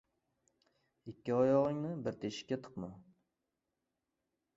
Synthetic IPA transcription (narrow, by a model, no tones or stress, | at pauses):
ɪkʲːɪɒjɒʁɪŋnɪbɪɾt̪ʰeʃɪ̥kʲːat̪ʰɨ̥qma